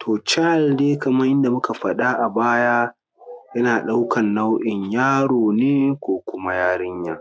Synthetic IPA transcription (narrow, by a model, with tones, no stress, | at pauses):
tʰoː˨t͡ʃa˦˨ldeː˦kɐ˨mɐ˦ʔɪ˦nda˨mʊ˦ka˨ɸɐ˨ɗa˦ʔa˨baː˦ja˦ | jɐ˦naː˨ɗa˦wkʰɐ˨nːa˦wʔɪ˨ɲjaː˦ɽoː˨neː˦kʷoː˦kʷʊ˦ma˦jaː˦ɾɪ˦ɲjaː˨